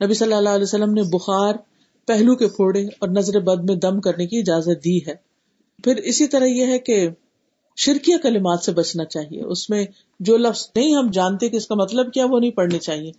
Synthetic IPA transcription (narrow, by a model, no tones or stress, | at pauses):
nɐbisɐlːalalɛsɐlːəmnebʊxaːɾ | pɛɦlukepʰoːɽeɔːɾnɐzɾebɐd̪̚mẽd̪ɐmkɐɾnekiɪd͡ʒaːzət̪̚d̪iːɦɛː | pʰɪɾɪsit̪ɐɾaɦjeɦɛke | ʃɪɾkijakɐlɪmaːt̪sebɐt͡ʃnat͡ʃaːɦiḛʔʊsmẽ | d͡ʒoːlɐfz̥nɐɦĩɦɐmd͡ʒaːnt̪eɦɛ̃keɪskamɐt̪ləb̚kjaʋonɐɦĩpɐɽnet͡ʃaːɦieː